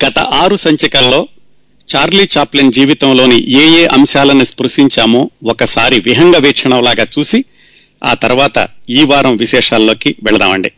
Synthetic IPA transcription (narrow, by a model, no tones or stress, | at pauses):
ɡ̥ɐt̪ɐ̰ʔaːɾusɐɲt͡ʃɐkɐlːo̞ː | t͡ʃaːɾliːt͡ʃaːplind͡ʒiːʋit̪ɐmlo̞ːnḭʔeːjeːʔɐmʃaːlɐnispɾuʂiɲt͡ʃaːmoːɔkɐsaːɾiʋiɦɐŋɡɐʋɛːkʂɐɳɐmlaːɡaːt͡ʃuːsi | a̰ːt̪ɐɾuʋaːt̪ɐ̰iːʋaːɾɐmʋiʃɛːʂaːlːo̞ːkiʋɛɭɐd̪a̰ːmɐɳɖi